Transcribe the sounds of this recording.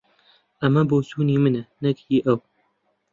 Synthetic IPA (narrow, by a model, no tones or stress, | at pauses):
ʔɐmɐboːsuːniːmɨnɐnɨkhiːʔɐw